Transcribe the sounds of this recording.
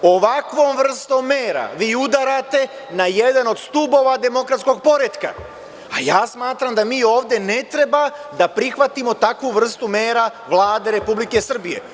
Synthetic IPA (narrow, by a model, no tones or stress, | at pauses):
o̞ʋakʋo̞ːmʋr̩st̪omːeːɾa̰ʋiːud̪aɾat̪e̞ | naje̞d̪ano̞d̪st̪uːbo̞ʋad̪e̞mo̞kɾat̪sko̞ɡ̚po̞ɾet̪ka̰ | ajaːsmaːt̪ɾamd̪amiːo̞ːʋd̪je̞ne̞t̪ɾe̞bad̪apɾixʋat̪imo̞t̪akʋuʋr̩st̪ume̞ːɾaʋlˠaːd̪e̞ɾe̞publikesr̩bije̞̰